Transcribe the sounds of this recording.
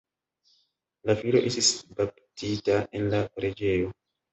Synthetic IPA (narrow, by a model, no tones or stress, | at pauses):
lafilo̞̰ʔe̞stisbap̚titaʔenlakoɾed͡ʒe̞jo